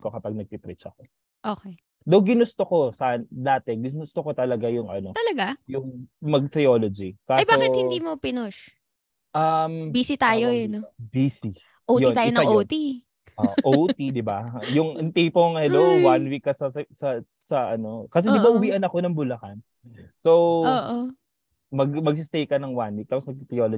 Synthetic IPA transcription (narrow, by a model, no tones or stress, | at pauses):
kokɐpɐɡ̚nɐɡ̚t̪it̪ɾit͡ʃɐko̞ | ʔoːkɛ | d̪ɐwɡɪnʊst̪oko̞sɐʔnd̪aːt̪ɛɡʊnʊst̪oko̞t̪ɐlɐɡajʊŋʔɐ̰no̞t̪ɐlɐɡajʊŋmɐɡ̚t̪ɾɪoːlod͡ʒikaːɐjsbaːokɪt̪hɪd̪iːmopɪnoʃ | ʔɐmbiːsit̪aːjoɛnobiːsi | ʔoːwtjoiaːjonɐʔot̪i | oʔowt̪id̪ɪbajʊŋɐŋt̪ipoŋhɛlowwanwikːɐsɐsɐ | sɐʔɐno̞kɐs̬ɛd̪ɪbaʔʊwiʔɐnɐko̞nɐŋbʊlɐkan | sowoːʔo | mɐɡmɐɡ̚s̬ɪst̪ejkɐnɐŋwanwik̚t̪aːposmɐɡ̚t̪ɾɪoːlo